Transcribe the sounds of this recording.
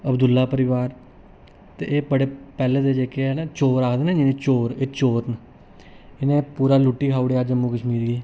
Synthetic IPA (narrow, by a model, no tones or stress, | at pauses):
əbd̪ʊlːaːpəɾɪʋaːɾ | t̪ḛʔeːpəɽeːpɛːleːt̪eːd͡ʒeːkeɛnat͡ʃoːɾaːkʰd̪eːnẽd͡ʒinẽːt͡ʃoːɾeːt͡ʃoːɾn | ɪnẽːpuːɾaːluʈːiːkaːʊɽeːad͡ʒəmːũːkəʃmiːɾɡiː